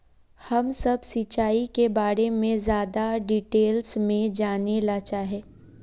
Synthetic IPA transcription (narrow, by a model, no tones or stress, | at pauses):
hɐmsɐbsɪt͡ʃaːikebaːɾemẽzjaːd̪aɖiːʈeːlsmẽd͡ʒaːnelat͡ʃaːɦeː